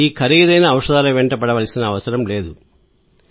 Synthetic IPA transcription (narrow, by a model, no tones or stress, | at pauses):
iːkʰɐɾiɡɐd̪ɐjnɐːwʂɐd̪aːloːʋɛɳʈɐpɐɽɐʋɐlsinɐːʋɐsɐɾɐmleːd̪u